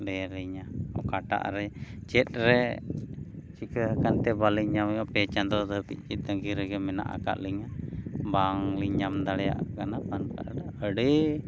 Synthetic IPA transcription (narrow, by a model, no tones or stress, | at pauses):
lɛɾiɲaɔkaʈa̰ʔɾɛt͡ʃɛt̪̚ˀɾɛ | t͡ʃikəɦəkant̪ɛbaliɲamɔpɛt͡ʃand̪ɔd̪əpit̪̚ˀt͡ʃit̪̚d̪əŋɡiɾɛɡɛmɛna̰ʔa̰ka̰ʔliŋabaŋliɲamd̪aɽɛja̰ʔkanapanpaʔɖaəɽe